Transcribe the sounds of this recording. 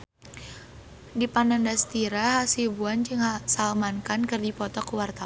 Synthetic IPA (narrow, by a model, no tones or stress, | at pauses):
dipanandast̪iɾaɦasibuand͡ʒɨŋhasalmankankɨrdipɔt̪ɔkuwart̪a